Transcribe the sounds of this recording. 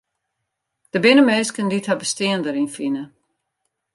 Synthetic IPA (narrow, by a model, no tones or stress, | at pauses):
d̥əbɪnəmeːskəndithabəstiəndəɾinfinə